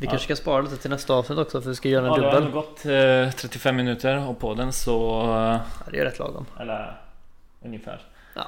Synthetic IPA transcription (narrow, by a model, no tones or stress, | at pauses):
ʋɪkʰanʂə̥kʰanspɑːɾaliːt̪ət̪ʰɪlnɛst̪aɑːvsnɪt̪ɔksɔfœɾʋɪskajøːɾaɛd̪ɵbːəlːɡɔt̪ːt̪ʰɾɛt̪ːɪfɛmːɪnʉːt̪əɾɔpʰɔd̪ɛnsɔ | æd̪ɛ̰j̰ɾɛt̪lɑ̰ːɡɔ̰mɛlːəɾ | ɵnjəfæ̰ːɾ | jʔɑ̰